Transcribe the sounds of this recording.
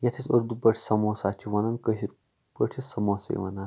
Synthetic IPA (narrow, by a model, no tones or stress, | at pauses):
jɐt̪ʰisɐɾd̪ubɐʈʰʲi̥sɐmoːsaːt͡ʃʰiʋɐnɐnkəɦiɾ | bəʈʰisɐmoːsḛʋɐna